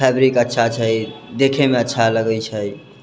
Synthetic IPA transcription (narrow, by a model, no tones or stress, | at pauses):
ɛbɾikətːʃʰat͡ʃʰəjd̪ekʰemẽətːʃʰaləɡəjt͡ʃʰəj